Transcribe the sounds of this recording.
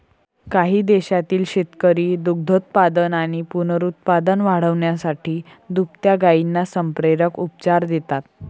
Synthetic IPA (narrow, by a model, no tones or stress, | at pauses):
kaɦiːd̪eɕat̪iːlɕet̪kəɾiːd̪uɡ̚d̪ʱət̪̚pad̪ənaɽ̃ipunəɾut̪̚pad̪ənʋaɽ̤əʋɳjasaʈʰiː | d̪up̚t̪jaɡainːasəmpɾeɾəkup̚t͡ɕaɾd̪et̪at̪̚